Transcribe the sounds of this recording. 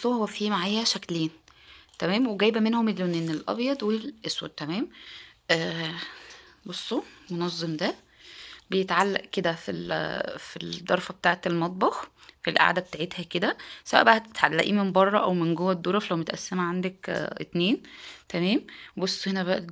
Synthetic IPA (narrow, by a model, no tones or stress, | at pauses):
ohowæfiːmaʕaːjːæʃækleːnt̪æmæːmweɡæːjbæmenhomelːoneːnelʔɑ̰bjɑd̪ˤwelʔeswæ̰d̪̚t̪ːæmæːmʔː | bosˤːomonɑzˤːemd̪æ | bejet̪ʕalːæ̰ʔked̪æfḭlfid̪ˤːɑɾˤfɑbet̪aːʕet̪elmɑt̪̬̚ˤbɑxfilʔa̰ʕd̪æbet̪aʕet̪hæked̪æsæwæʔbæʔæt̪e̥t̪ʕalːæ̰ʔiːmembɑrˤːɑʔæwmenɡowːæd̪ːoːɾˤɑflæwmet̪ʔæ̰sːemæʕand̪ækʔḛt̪neːnt̪æmæːmbosˤːhenæbæʔ